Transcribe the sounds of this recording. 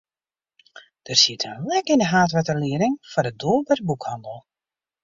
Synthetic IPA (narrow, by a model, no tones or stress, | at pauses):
d̥ərsitʰənlɛkɪndəɦaːtʋɛtəliəɾɪŋfɔdədolˠbɛr̚bukhɑndəl̩ˠ